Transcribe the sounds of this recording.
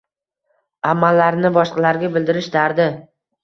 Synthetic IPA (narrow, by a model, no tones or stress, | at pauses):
amːalːaɾnɪbɒʃqɑlaɾɡʲabɪld̪ɪɾɪʃd̪aɾd̪ɪ